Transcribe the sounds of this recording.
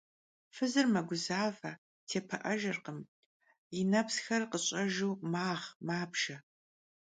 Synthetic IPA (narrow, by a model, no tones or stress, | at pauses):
fɨzɨrmɐɡʷʊzaːvɐ | tʰeːpʰɐʔɐʒɐrqəm | jɪnɐpsxɐrqəɕʼɐʒuːmaːʁmaːpʃɐ